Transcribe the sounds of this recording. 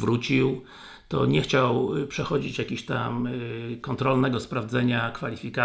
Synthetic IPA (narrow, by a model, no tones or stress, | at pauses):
vɾut͡ɕiw | t̪ɔ̰ɲɛxt͡ɕawpʂɛxɔd͡ʑit͡ɕjakʲiɕt̪a̰mkɔnt̪ɾɔlnɛɡɔspɾavd̪zɛɲakfalʲifʲika